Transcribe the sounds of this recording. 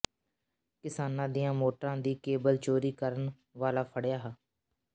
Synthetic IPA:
kɪsaːnãːd̪ijãːmoːʈɾãːd̪iːkeːbəlt͡ʃoːɾiːkəɾən | ʋaːlaːpʰəɽjaːɦaː

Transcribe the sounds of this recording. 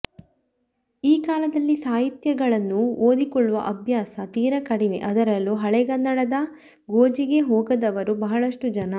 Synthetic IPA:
iːkaːlɐd̪ɐlːisaːɦit̪jɐɡɐɭɐnːuoːd̪ikɔɭːuʋɐ̰ʔɐbʱjaːsɐt̪iːɾɐkɐɽimḛʔɐd̪ɐɾɐlːuɦɐɭɛɡɐnd̪ɐɽɐd̪ɐ | ɡoːd͡ʒiɡe̞ɦoːɡɐd̪ɐʋɐɾubɐɦɐɭɐʂʈud͡ʒɐnɐ

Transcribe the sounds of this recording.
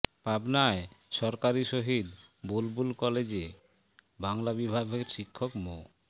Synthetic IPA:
pabnaeʃɔɾkaɾiʃoɦid̪bolbulkɔled͡ʑe | baŋlabibʱabʱeɾʃikʰːokmo

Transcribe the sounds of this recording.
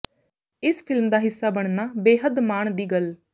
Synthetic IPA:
ɪspʰɪlmd̪aːɦɪsːaːbəɳ̃naːbeːɦəd̪maːɳd̪iːɡəl

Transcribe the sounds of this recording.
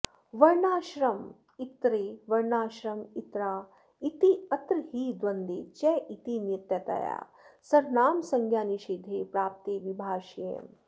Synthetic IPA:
ʋɐɾnaːʃɾɐm | it̪ɾeʋɐɾnaːʃɾɐmit̪ɾaː | it̪iɐt̪ɾhiːd̪ʋɐnd̪it͡ʃɛːʔit̪injit̪jɐt̪a̰ja̰ː | sɐɾnaːmsɐŋɡʱjaːniʃiːd̪ʱeːpɾaːp̚t̪eːʋibʱaːʃjḛːm

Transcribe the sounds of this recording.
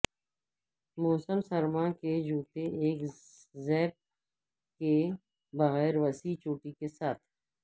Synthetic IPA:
moːsəmsɐɾmãːked͡ʒuːt̪eʔeːk | zɛːp̚ | ke | bɐɣɛːɾʋɐsit͡ʃoːʈikesaːt̪ʰ

